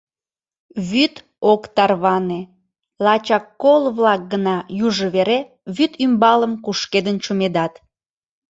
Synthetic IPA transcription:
βyt̪ | okt̪ɑrβɑne | lɑt͡ɕɑkːolβlɑk̚ɡənɑjuʒəβeɾe | βyt̪ymbɑləmkuʃked̪ənt͡ɕumed̪ɑt̪

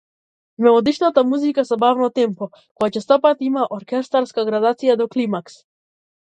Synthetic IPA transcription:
mɛlɔd̪iʃnat̪amuzikasabavnɔt̪ɛmpɔ | kɔjat͡ʃɛst̪apat̪imaʔɔɾkʲɛst̪aɾskaɡɾad̪at̪sijad̪ɔklimaks

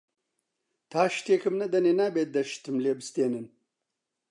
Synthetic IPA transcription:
t̪ʰaːɕt̪eːkɨmnɐd̪ɐnenaːbet̪̚d̪ɐʃt̪ʰɨmleːbɨst̪eːnen

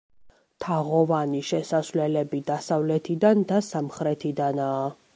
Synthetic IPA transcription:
t̪ʰaʁɔvaniʃɛsasvlɛlɛbid̪asavlɛt̪ʰid̪and̪asamχɾɛt̪ʰid̪anaː

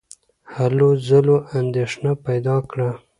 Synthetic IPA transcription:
halozaloʔand̪eʂnapajd̪ɑkɽa

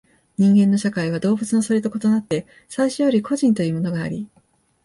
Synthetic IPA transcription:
ɲ̟ĩŋɡẽ̞nːo̞ɕakaiβ̞ad̪o̞ːbɯ̟t͡sɨno̞soɾʲet̪o̞ko̞t̪onat̪ːe̞ | saiɕojoɾʲikʰo̞ʑĩnt̪o̞jiɯːmo̞no̞ɡaːɾʲi

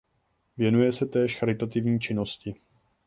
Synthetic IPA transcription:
vjɛnujɛsɛt̪ɛːʃxaɾɪt̪at̪ɪvɲiːt͡ʃɪno̞scɪ

